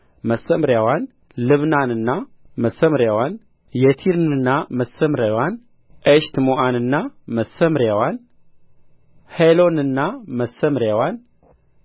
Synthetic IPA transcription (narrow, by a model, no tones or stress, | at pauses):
məsːəmɾjawan | lɨβnanɨnːa | məsəmɾjawan | jɛt̪ʰiɾnɨnːaməsːəmɾawan | ʔeʃt̪moʔanɨnːaməsːəmɾjawan | helo̞nɨnːaməsːəmɾjawan